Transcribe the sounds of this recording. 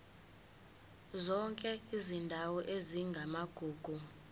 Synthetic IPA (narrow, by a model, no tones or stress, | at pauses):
zɔŋkʼɛizindʱawɔʔeziŋɡʱamaɡ̥ʱuːɡ̥ʱu